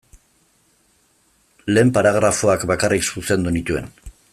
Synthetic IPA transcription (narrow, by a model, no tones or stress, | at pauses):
le̞ːmpaɾaɣ̞ɾafo̞akbakariksuse̞nd̪unit̪ue̞̰n